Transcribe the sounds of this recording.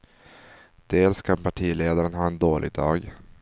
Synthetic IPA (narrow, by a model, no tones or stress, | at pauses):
d̪̥eːlskʰanpʰaʈʰiːleːd̪aɾənɦɑːɛnd̪oːlʔɪ̰ɡ̚d̪ɑ̰ːɡ